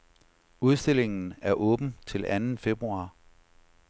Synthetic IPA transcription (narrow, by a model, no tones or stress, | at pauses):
uð̞ˠsd̥e̝le̝ŋn̩æɐʔɔ̽ːb̥n̩t͡sʰe̝lænn̩fe̝b̥ʁuɑ̈ː